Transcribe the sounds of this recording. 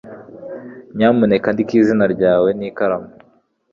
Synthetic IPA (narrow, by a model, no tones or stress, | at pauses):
ɲamunekandikizinaɾɟaːwenikaɾamu